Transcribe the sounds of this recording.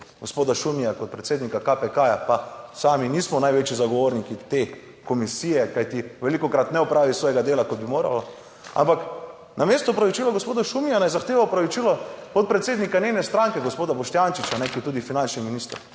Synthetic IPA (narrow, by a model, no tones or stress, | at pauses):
ɡospoːd̪aʃumijakɔt̪pɾɛt̪seːd̪nikakapɛkaːjapasaːminismɔnajʋeːt͡ʃizaɡɔʋoːɾnikit̪e | komisijɛkajt̪iʋɛlikɔkɾat̪nɛɔpɾaːʋisʋoːjɛɡad̪eːlakod̪̚bimoːɾa̰lɔ | a̰mpak | nameːst̪ɔpɾaʋit͡ʃilaɡospoːd̪aʃumijanajzaxt̪eːʋapɾaʋit͡ʃilɔpot̪̚pɾɛt̪seːd̪nikanenɛst̪ɾaŋkɛɡospoːd̪abɔʃt̪jant͡ʃit͡ʃanɛkiɛt̪uːd̪ifinant͡ʃniminiːst̪əɾ